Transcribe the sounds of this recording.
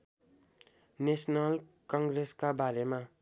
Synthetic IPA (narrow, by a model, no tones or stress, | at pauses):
nesnʌlkʌ̃ŋɡɾeskabaɾema